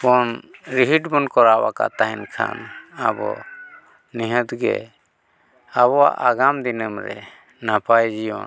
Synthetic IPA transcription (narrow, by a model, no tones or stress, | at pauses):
bɔnɾiɦiʈbɔnkɔɾawa̰ka̰t̪aɦɛnkʰa̰nabɔ̰ | niɦət̪ɡɛ̰ | aβɔwa̰ʔaɡamd̪inəmɾɛ | napajd͡ʒijɔ̰n